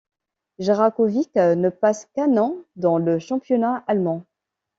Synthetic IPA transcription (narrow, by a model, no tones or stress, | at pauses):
ʒeʁakɔviknəpaskãnɑ̃d̪ɑ̃ləʃɑ̃pjɔnaalmɑ̃